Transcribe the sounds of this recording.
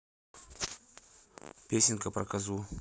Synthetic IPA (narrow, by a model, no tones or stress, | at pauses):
pʲesʲɪnʲkəpɾɐkɐzu